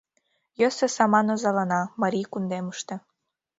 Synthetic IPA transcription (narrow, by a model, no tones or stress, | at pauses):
jøsĕsɑmɑnozɑlɑnɑmɑɾʲikund̪eməʃt̪ĕ